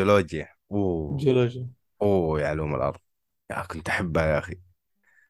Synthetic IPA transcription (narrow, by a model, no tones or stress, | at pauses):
oloːd͡ʒja | ud͡ʒoloːd͡ʒja | uːjaʕluːmɪ̰lʔɑ̰ɾˤðˤ | ja̰kʊnt̪ʔaħabːhajaʔaxi